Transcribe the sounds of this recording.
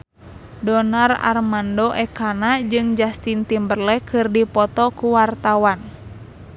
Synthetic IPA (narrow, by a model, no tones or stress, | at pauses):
dɔnara̰rmandoʔɛkanad͡ʒɨŋd͡ʒast̪int̪imbərlɛkɨrdipɔt̪ɔkuwart̪awan